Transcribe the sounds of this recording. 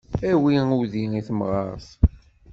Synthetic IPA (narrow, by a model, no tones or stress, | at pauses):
æwiuðiiθəmʁɑɾθ